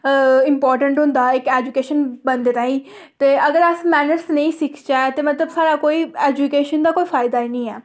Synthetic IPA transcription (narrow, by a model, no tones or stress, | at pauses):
ɪmpɔːɾʈə̃ɳʈɦʊ̃nd̪aːɪkeːd͡ʒukeːʃənbənd̪eːɾaːĩː | t̪eːʔəɡəɾəsmɛːnəɾsnə̃ĩːsɪkʰt͡ʃaːt̪eːmət̪ləbsaːɾaːkoːiːɛːd͡ʒukeːʃənd̪aːkoːiːfʰaːɪd̪aːinĩːɛː